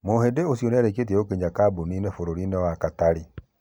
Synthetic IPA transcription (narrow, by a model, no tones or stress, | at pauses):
mohedeosjonɛɾeket̬iɛokeɲakaboninefoɾoɾinewakataɾi